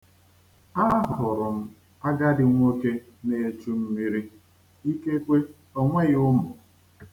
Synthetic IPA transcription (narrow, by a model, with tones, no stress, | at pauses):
a˦ɦʊ˨ɾʊ˨m̩˦ | a˦ɡa˦dɪ˨ŋʷ˦o˦ke˦ | ne˨e˨t͡ʃu˦m̩˦mi˦ɾi˦ | i˦ke˦kʷe˦ | ɔ˦ŋʷe˦ɣʊ˦mʊ˨